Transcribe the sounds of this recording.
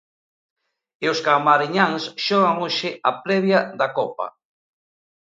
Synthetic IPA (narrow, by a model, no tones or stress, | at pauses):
eoskamaɾiɲaŋsʃɔɣaŋoʃɪʔapɾɛβjaðakɔpa̰